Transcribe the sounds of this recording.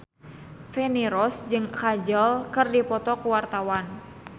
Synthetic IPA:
fɛniɾɔsd͡ʒɨŋkad͡ʒəlkɨrdipɔt̪ɔkuwart̪awan

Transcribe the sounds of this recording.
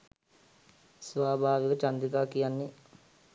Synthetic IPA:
sʋaːbʱaːʋikət͡ʃand̪ikaːkijanːe

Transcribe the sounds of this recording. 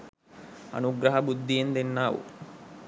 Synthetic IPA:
ɐ̰nuɡɾɐɦɐbud̪ːijend̪enːaːʋṵ

